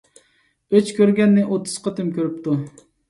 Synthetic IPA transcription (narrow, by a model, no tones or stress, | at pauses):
øt͡ʃkʲøɾɡʲɛnːɪʔot̪ʰːʊ̥z̥qət̪ʰɨmkʲʰøɾyp̚t̪ʰu